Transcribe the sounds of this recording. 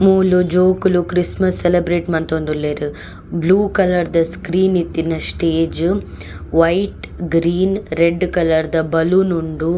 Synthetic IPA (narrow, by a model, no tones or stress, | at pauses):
muːlud͡ʒoːkulukɾismɐsːelebɾeːʈmɐnt̪ond̪ulːeːɾu | bluːkɐlɐɾd̪ɐskɾiːnit̪ːinɐsʈeːd͡ʒ | ʋɐjʈ | ɡɾiːnɾeɖːkɐlɐɾd̪ɐbɐlunuɳɖu